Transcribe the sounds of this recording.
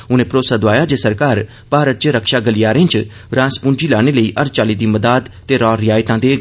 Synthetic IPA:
ʊnẽːpɾoːsaːd̪ʊaːjaːd͡ʒeːsəɾkaːɾ | paːɾət̪̚t͡ʃəɾəkʃaːɡəlɪjaːɾẽːt͡ʃ | ɾãːspʊ̃nd͡ʒiːlaːɽ̃eləiːʔəɾt͡ʃaːliːd̪iːməd̪aːd̪t̪eːɾɔːɾɪjaːɪt̪ãːd̪eːɡ

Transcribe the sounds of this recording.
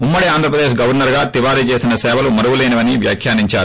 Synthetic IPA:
umːɐɽiaːnd̪ʱɾɐp̬ɾɐd̪eːʃɡɐʋɐɾnɐɾɡaːt̪iʋaːɾit͡ʃeːsinɐsɛːʋɐlumɐɾuwuleːnɐʋɐniʋjaːkʰjaːniɲt͡ʃaːɾu

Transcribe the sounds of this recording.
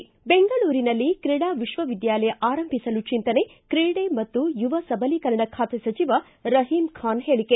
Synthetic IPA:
beŋɡɐɭuːɾinɐlːikɾiɽaːʋiʃʋɐʋid̪jaːlɐjɐʔaːɾɐmbʱisɐlut͡ʃint̪ɐne̞kɾiɽemɐt̪ːujuʋɐsɐbʱɐlikɐɾɐɳɐkʰaːt̪esɐt͡ʃiʋɐ | ɾɐɦiːmkʰaːnɦeːɭikːe

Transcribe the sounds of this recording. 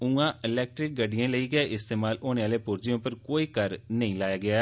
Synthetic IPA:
ũːãːɪlɛːk̚ʈɾɪk̚ɡəɖijãːləiːɡəeʔɪst̪eːmaːlʔoːneːʋaːleːpʊɾd͡ʒijõːpəɾkoːiːkəɾnəĩːlaːjaːɡɪaː

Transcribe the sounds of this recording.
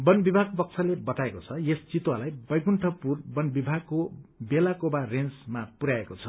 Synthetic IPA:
bʌnbibʱaɡ̚pʌk̚t͡sʰʌlebʌt̪aekot͡sʰʌjest͡sit̪walajbʌjɡuɳʈʰʌpurbʌnbibʱaɡ̚kːobelakobarensmapuɾaekot͡sʰʌ

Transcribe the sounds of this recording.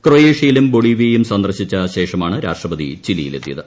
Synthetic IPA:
krojeːʂijilumbo̞ɭiʋejumsɐnd̪ɐrɕit͡ɕːɐɕe̞ːʂɐmaːɳɨɾa̰ːʂʈrɐbɐd̪ḭt͡ɕilijile̞̰t̪ːijɐ̰ðɨ

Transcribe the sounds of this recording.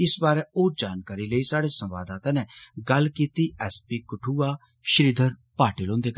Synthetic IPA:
ɪsbaːɾɛoːd͡ʒaːnkaːɾiləisaːɽesə̃mʋa̰ːd̪aːt̪ãːnɛɡɐlkiːt̪iʔɛːspikʊʈʰuːaː | ʃəɾiːd̪ʱəɾ | paːʈilõːnd̪eːk

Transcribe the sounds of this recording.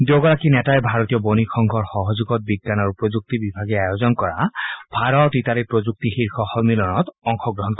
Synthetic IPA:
doɡɔɹakinɛtaɛbʱaɹɔt̪ijɔbonikʰɔŋɡʱɔɹxɔɦɔzuɡɔt̚biɡːanaɹupɹod͡ʒuk̚tibibʱaɡɛajozɔnkɔɹa̰b̥ʱaɹɔtitaɾipɹod͡ʒuk̚tixiɹxʰɔxɔmilɔnɔtɔŋxʰɔɡɹɔɦɔnkɔ

